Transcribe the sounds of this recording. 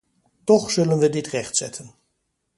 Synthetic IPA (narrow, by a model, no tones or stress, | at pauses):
tɔχsɵlənʋədɪtrɛχtsɛ̰tʰən